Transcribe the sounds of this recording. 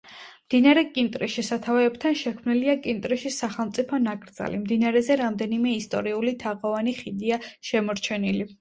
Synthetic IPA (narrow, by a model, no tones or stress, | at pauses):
md̪̥inaɾɛkʼint̪ʼɾiʃisat̪ʰavɛb̚t̪ʰanʃɛkʰmniliakʼint̪ʼɾiʃisaχɛlˠmt̪sʼipʰɔnakʼɾd̪za̰limd̪inaɾɛzɛɾamd̪ɛnimɛist̪ʼɔ̰ɾiulit̪ʰaʁɔvaniχid̪iaʃɛmɔɾt͡ʃʰɛnili